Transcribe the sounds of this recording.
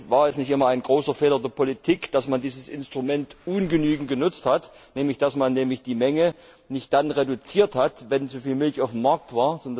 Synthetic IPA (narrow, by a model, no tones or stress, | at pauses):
vaːɐɛsnɪçtʔɪmɐaɪnɡ̥ʁoːsɐfɛːlɐdeːɐpʰolitʰiːkd̥asmandiːzəsɪnstʁ̥umɛntʔʊːnɡənyːɡŋ̩tɡ̥ənʊt͡sthatnɛːmlɪçd̥asmanːɛːmlɪçd̥iːmɛŋə | nɪçt̚d̥anʁedut͡siːɐthatvɛnt͡sufiːlmɪlçaʊfm̩mːaɐk̚tv̥aːɐzɔn